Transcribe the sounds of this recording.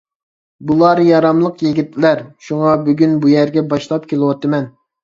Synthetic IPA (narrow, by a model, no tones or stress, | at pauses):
bulˠɑɾjɑɾɑmlˠəqjiɡʲit̪ʰlæɾʃuŋɑbyɡʲynbujæɾɡʲɛbɑʃlˠɑp̚kʲʰelˠɨwɑt̪ʰɨmɛn